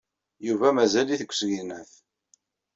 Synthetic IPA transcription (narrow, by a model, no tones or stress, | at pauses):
juvæmæzæliθəkʷːsɣinæθ